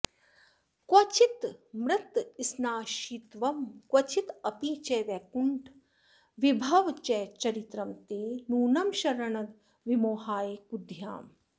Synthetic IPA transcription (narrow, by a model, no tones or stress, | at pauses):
kwɐt͡ʃit̪mɾɨt̪isnaːʃit̪ʋɐmkwɐt͡ʃʰit̪ɐpiːt͡ʃɛʋɛkuɳʈ | ʋibʱɐʋt͡ʃɛːt͡ʃɐɾit̪ɾɐmt̪eːnuːnɐmʃɐɾɐɳɐd̪ | ʋimoːɦaːjekud̪ʱja̰ːm